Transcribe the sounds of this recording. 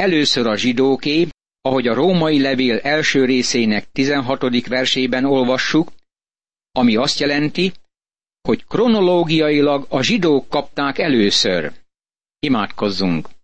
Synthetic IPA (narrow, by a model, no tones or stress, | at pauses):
ɛløːsøɾɒʒid̪oːkeː | ɒɦo̞ɟɒɾoːmɒjilɛveːlɛlʃøːɾeːseːnɛk̚t̪izɛnɦɒt̪o̞d̪ikʋɛrʃeːbɛno̞lvɒʃːuk | ɒmiɒst̪jɛlɛnt̪i | ho̞ckro̞no̞loːɡijɒjilɒɡɒʒid̪oːkːɒp̚t̪aːkɛløːsø̰r | imaːt̪ko̞zːuŋk